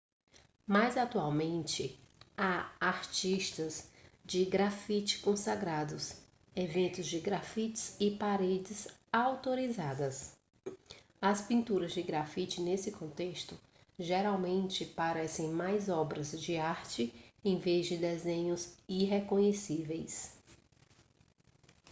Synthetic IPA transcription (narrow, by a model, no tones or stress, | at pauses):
majzat̪uawmẽnt͡ʃɪaaɾt͡ʃiʃt̪ɐzd͡ʒɪɡɾafit͡ʃɪ̥kõsaɡɾad̪ʊs | evẽnt̪ʊzd͡ʒɪɡɾafit͡ʃɪ̥z̥ɪpaɾed͡ʒɪzawt̪oɾizad̪ɐs | ɐspĩnt̪uɾɐzd͡ʒɪɡɾafit͡ʃɪnesɪkõnt̪eʃt̪ʊ | ʒeɾawmẽnt͡ʃɪpaɾɛsẽj̃majzɔbɾɐzd͡ʒɪaɾt͡ʃɪẽj̃vezd͡ʒɪd̪ezẽɲʊziɦekõɲesivejs